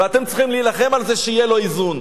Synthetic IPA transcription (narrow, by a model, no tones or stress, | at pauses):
eat̪e̞mtt͡siχimlilaχe̞malzeʃeijelo̞izun